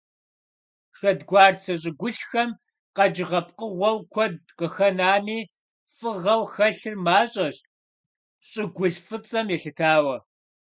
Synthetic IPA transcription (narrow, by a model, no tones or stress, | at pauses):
ʂxɐdɡʷɑːrt͡sʰɐɕʼɪɡʷʊɬxɐm | qɐd͡ʒɪʁɐp̚ʰqəʁʷɔwkʷʰɔdqəxɐnaːniː | fɨʁɐwxɐɬɨrmaːɕʼɐɕ | ɕʼɪɡʷʊɬfɨt͡sʼɐmjɛɬɨtʰaːwɐ